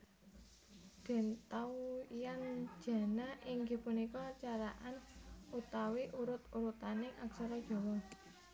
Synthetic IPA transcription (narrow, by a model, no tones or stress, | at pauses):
d̪̥ɛ̤nt̪auijan̥d͡ʒ̥a̤naʔɪŋɡe̤punikɔt͡ʃaɾaʔanut̪awiʔuɾʊt̪uɾut̪anɪŋʔaksaɾɔ̥ʒ̥ɔ̤wɔ